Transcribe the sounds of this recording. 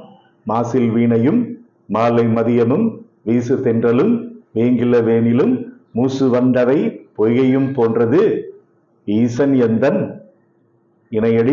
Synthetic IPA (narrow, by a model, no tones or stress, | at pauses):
maːsɪlʋiːnɐjɯmː | aːlɐɪmɐðɪjɐmɯm | ʋiːsɯt̪ɛndrɐlɯmʋeːŋɡɪlɐʋeːnɪlɯmː | uːsɯʋɐɳɖɐʋɐɪpɔɣɐjɯmpoːndrɐðɯ | iːsɐnɛnd̪ɐn | ɪnɐjɐɽɪ